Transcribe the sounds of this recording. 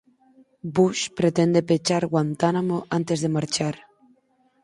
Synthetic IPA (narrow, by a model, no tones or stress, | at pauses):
buʃpɾet̪end̪e̞pet͡ʃaɾɣwant̪anamoʔant̪ezðe̞maɾt͡ʃaɾ